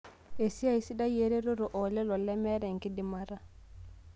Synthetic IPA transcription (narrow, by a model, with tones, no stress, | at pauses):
ʔe˨si˦ajsi˦ɗa˦jeɾɛ˦ɾɔ˦ɾɔ˨ʔɔlɛ˦lɔ˨lɛmɛ˦ɾɛ˨ŋki˦di˨maɾa